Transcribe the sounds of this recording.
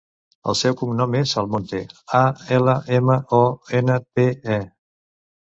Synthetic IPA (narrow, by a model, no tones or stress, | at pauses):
ə̰lˠsɛwkuŋnɔmesəlˠmont̪eaɛləʔeməʔɔenət̪eɛ